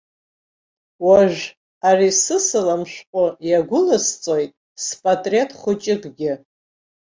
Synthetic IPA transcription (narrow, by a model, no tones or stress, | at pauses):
waʒᶣ | arisɨsɨlamʃqʷʼʊjaɡʷʊlɨst͡sʼo̞jtʼ | spʼatʼre̞tʰʼχʷʊt͡ʃʼɪɡʼɡʲɪ